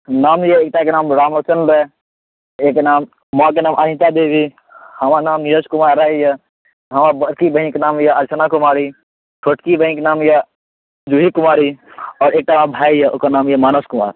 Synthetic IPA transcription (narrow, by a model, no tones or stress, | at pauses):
naːmjeeːk̚t̪akenaːmɾaːmot͡ʃənɾe | eːknaːmː | ak̬enaːmʔanɪ̃t̪ad̪eːbʱi | hɐmanaːmjəskʊmaːɾaːijə | ɦɐmabəɾkibə̃ɦĩkenaːmjaɐɾsʰənakʊmaːɾi | t͡ʃʰoʈkibə̃ĩkenaːmja | d͡ʒuɦikʊmaːɾiɔːɾeːk̚t̪aabʱaːijeʊ̰skanaːmjemaːnoskʊma̰ːɾ